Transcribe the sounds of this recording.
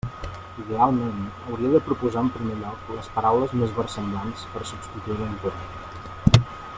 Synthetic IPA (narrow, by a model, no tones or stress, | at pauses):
iðealˠmenəwɾiəðəpɾupuzaəmpɾimeʎɔkləspəɾawləzmezβərsəmblanspəɾsubst̪it̪uiɾənt̪uɾa